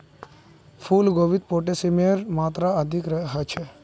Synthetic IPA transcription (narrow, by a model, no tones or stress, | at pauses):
fʰulɡoʋit̪̚poʈesimiəɾmat̪ɾaəd̪ʱikɾəɦət͡ʃʰɛ